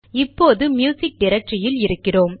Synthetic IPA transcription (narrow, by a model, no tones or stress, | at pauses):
ɪpːoːðɯmjuːsɪk̚ɖɪɾɐk̚ʈrɪjɪlɪɾɯkːɪroːm